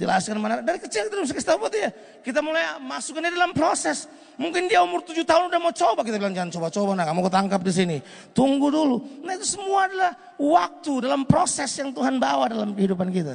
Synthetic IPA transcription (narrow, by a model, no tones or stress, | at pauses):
dilaaskanmanadaɾikət͡ʃilkit̪adumsakəst̪abat̪ija | kit̪̬amulajmasukaniadalampɾosɛs | muŋkɪndiaumʊrt̪ud͡ʒut̪aɦʊnudahmat͡ʃobak̬it̪abilaŋd͡ʒaant͡ʃobat͡ʃobanakamukut̪aŋkap̚dis̬ini | t̪uŋɡudulunait̪usəmuaːdalah | wak̚t̪udalampɾosɛsjaŋt̪uɦanbawadalamkəɦidupankit̪a̰